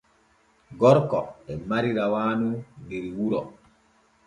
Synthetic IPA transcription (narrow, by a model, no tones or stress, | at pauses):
ɡɔɾkɔɛmaɾiɾawaːnundiɾwuɾɔ